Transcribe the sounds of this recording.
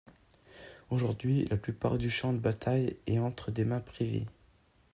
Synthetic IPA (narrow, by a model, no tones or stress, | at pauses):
oʒuʁd̪ɥilʔaplypa̰ʁd̪yʃɑ̃d̪əbat̪ʰajeɑ̃t̪χəd̪emɛ̃pχivḛ